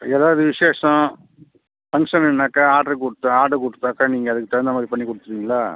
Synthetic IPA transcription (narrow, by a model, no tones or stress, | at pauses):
ɛːðaːʋɐðɯʋɪʂeːʂɐ̃ | pɐŋʂɐnɛnːaːkːɐaːʈɐɾɯkʊɽɯt̪ːãaːʈɐkɔɽɯt̪ːaːkːɐniːŋɡɐːðɯkːɯt̪ɐɾɐnd̪ɐmaːd̪ɾipɐɳːikːɔɽɯt̪ːɯɾiːŋɡɐlaː